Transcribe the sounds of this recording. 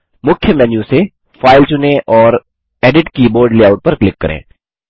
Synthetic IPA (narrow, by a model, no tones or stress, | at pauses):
mʊkʰjəmɛːnjuse | faːɪlt͡ʃʊnẽʔɔːɾ | ɛːɖɪʈkiboːɾɖliaːʊʈ̚pɐɾklɪkːɐɾʔḛ̃ː